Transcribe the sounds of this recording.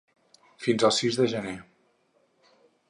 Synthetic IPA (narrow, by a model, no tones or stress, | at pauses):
finzəlˠsizðəʒəne